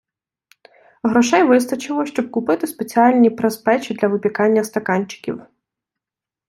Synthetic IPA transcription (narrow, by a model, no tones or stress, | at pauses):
ɦɾɔʃɛjʋɪst̪ɐt͡ʃɪlˠɔʃt͡ʃɔb̚kʊpɪt̪ɪspet͡sʲiɑlʲnʲipɾespɛt͡ʃid̪lʲɐʋɪpʲikɑnʲːɐst̪ɐkɑnʲt͡ʃɪ̥kʲḭw